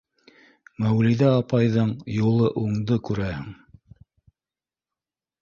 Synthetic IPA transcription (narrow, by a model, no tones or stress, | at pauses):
mæwliðæɑpɑjðɤɴjulˠɤʔuɴd̪ɤkʉɾæhɘŋ